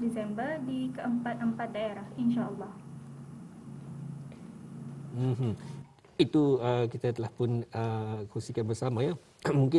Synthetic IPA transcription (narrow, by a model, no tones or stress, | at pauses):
disɛmbərdikəʔəmpat̪̚əmpat̪̚daʔeɾahinʃaʔəlːɑh | mm̩ | it̪uəkit̪at̪əlahpʊnəkusikanbərsamaja | muŋkɪ